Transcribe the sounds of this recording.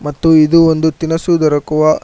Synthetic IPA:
mɐt̪ːuid̪uond̪ut̪inɐsud̪ɐɾɐkuʋɐ

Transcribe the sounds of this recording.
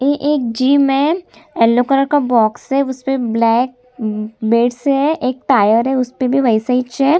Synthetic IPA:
ẽʔeːk̚d͡ʒiːmẽɛlːokəɾəɾkabɔːksɦɛʊspeblɛːk̚ | beːɖsɦɛʔeːk̚ʈaːjəɾɦɛʊspebʱiʋɐɪsait͡ʃɛː

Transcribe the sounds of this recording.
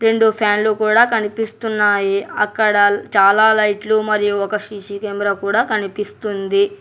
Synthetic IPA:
ɾe̞ɳɖupʰjaːnluːkuːɽaːkɐnipist̪unːaːjiɐkːɐɽɐt͡ʃaːlaːlɐjʈlumɐɾijuɔkɐʂiːʃikeːmɾaːkuːɽaːkɐnipist̪und̪i

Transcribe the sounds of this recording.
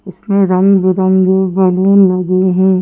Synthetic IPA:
ɪsmẽɾɐ̃ŋɡbəɾɐ̃ŋɡbɐlelɐɡeɦɛ̃ː

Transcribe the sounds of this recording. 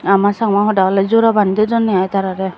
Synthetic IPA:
amasaŋwaxɔdalɛzoɾabanidɛzɔnːɛajtaɾaɾɛ

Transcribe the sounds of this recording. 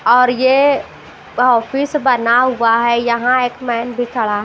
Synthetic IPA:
ɔːɾje | ɦɔːfɪsbənaɦʊaɦɛjɐɦãeːkmɛːnbʱikʰɐɭaɦ

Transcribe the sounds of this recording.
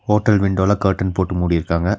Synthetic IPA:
hoːʈːɐlʋɪɳɖoːlɐkɐɾʈːɐnpoːʈːɯmuːɽɪjɪɾɯkːaːŋɡɐ

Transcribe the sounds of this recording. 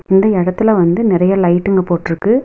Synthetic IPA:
ɪnd̪ɐɪɽɐt̪ːɯlɐʋɐnd̪ɯnɪɾɐjɐlɐɪʈːɯŋɡɐpoːʈːɪɾɯkːɯ

